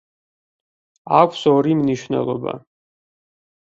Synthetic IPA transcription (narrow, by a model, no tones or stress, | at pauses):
akʷʰsɔɾimniʃvnɛ̰lˠɔba̰